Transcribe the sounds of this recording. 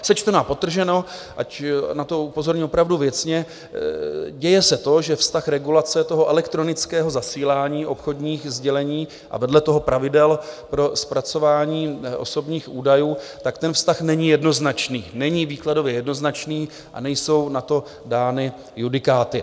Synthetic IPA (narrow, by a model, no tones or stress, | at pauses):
sɛt͡ʃt̪ɛnaːpot̪r̩ʒɛno̞ʔa̰cnat̪o̞upo̞zo̞ɾɲiopɾavduvjɛt͡sɲɛ | ɟɛjɛsɛt̪o̞ʒɛfst̪axɾɛɡulat͡sɛt̪o̞ɦo̞ʔɛlɛkt̪ɾo̞nɪt͡skɛːɦo̞zasiːlaːɲiːʔo̞pxo̞dɲiːxzɟɛlɛɲiː | ʔa̰vɛdlɛt̪o̞ɦo̞pɾʔavɪdɛlpɾo̞spɾat͡so̞vaːɲiːʔo̞̰so̞bɲiːxʔuːdajuːt̪akt̪ɛnfst̪axnɛɲɪjɛdno̞znat͡ʃniːnɛɲiːviːklado̞vjɛjɛdno̞znat͡ʃniː | ʔa̰nɛjso̞wnat̪o̞ | daːnɪ | judɪkaːt̪ɪ